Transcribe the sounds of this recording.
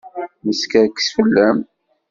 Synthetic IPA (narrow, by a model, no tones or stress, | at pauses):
məskæɾksfəlːæm